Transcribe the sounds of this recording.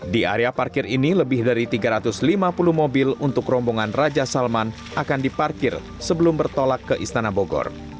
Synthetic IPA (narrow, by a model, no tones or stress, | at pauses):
dia̰ɾeaparkɪriniləbɪhdaɾit̪iɡaɾat̪ʊslimapuluhmobɪlunt̪ʊkrɔmbɔŋanrad͡ʒasalman | ʔakandiparkɪr | səbəlʊmbərt̪olakːəʔist̪anaboɡɔ̰r